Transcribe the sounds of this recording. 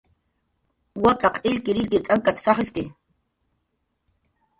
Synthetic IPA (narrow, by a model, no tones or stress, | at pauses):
wakʼaqʰʼɪʎkɪɾɪlkɪt͡sʼaŋkat̪sɑχɪskɪ